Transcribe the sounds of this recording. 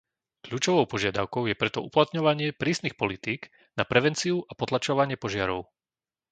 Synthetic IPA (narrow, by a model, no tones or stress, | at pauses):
kʎuːt͡ʃɔʋɔʊpɔʒɪad̪aʊkɔʊjɛpɾɛt̪ɔuplat̪ɲɔʋaɲɪɛpɾiːsnixpɔlit̪iːɡ | napɾɛʋɛnt͡siuʔapɔt̪lat͡ʃɔʋaɲɪɛpɔʒɪaɾɔʊ